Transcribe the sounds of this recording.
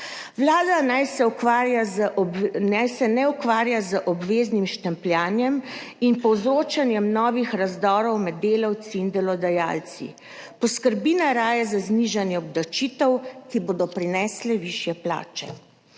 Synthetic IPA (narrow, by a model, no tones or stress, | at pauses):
ʋlaːd̪anajsɛaja | najsɛnɛukʋaːɾjazəʔɔbʋeːznimʃt̪ɛmpljaːnjɛm | inpɔwzɾoːt͡ʃanjɛmnɔːʋixɾazd̪ɔːɾɔwmɛd̪ːeːlɔwt̪siːnd̪ɛlɔd̪ɛja̰ːlt̪sḭ | pɔskəɾbiːnaɾaːjazazniʒanjɛɔbd̪at͡ʃit̪ɛwkiboːd̪ɔpɾinɛːslɛʋiːʃjɛpla̰ːt͡ʃɛ̰